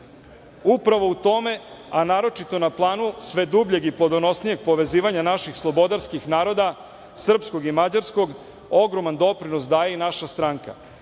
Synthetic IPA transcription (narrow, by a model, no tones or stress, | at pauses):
upɾaʋo̞ut̪o̞me̞ | anaːɾo̞t͡ʃit̪o̞naplˠaːnusʋe̞d̪ubʎe̞ɡiplod̪ono̞snije̞ɡ̚po̞ʋe̞ziːʋaɲanaʃixslˠo̞bo̞d̪aɾskixnaːɾo̞d̪a | sr̩psko̞ɡimad͡ʑaɾsko̞ɡ | o̞ɡɾo̞mand̪o̞pɾinosd̪aːjeinaʃast̪ɾaŋka̰